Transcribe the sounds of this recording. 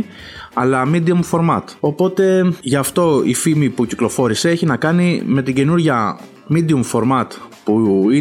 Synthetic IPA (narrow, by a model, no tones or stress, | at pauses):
ɐlɐmid̪iumfo̞ɾmɐt̪o̞po̞t̪e̞ʝɐft̪o̞ḭfimipuciklo̞fo̞ɾise̞eçinɐkɐnime̞t̪iɟe̞nuɾʝɐ | mid̪iumfo̞ɾmɐt̪pui